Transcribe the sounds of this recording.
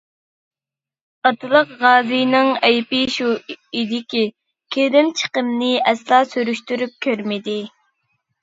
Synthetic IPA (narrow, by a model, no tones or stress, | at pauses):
ɑt̪ʰɨlˠəqʁɑːzɨjnɪŋɛjpɪʃuid̪ɪkʲi | kʲʰed̪ɪmt͡ʃʰə̥qəmnɪɛslˠɑːsyɾyʃt̪yɾyp̚kʲʰøɾmɪd̪ɪ